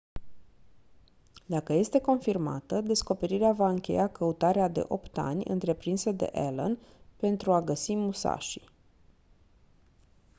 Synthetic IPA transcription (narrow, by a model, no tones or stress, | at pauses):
d̪akəje̞st̪e̞ko̞nfirma̰t̪əd̪e̞sko̞pe̞ɾiɾeavaɨŋkʲe̞̰jakəut̪aɾead̪e̞̰ʔo̞pt̪a̰nʲɨ̰nt̪ɾe̞pɾinsəd̪e̞̰ʔḛlə̰npe̞nt̪ɾuaɡəsimusa̰ʃi̥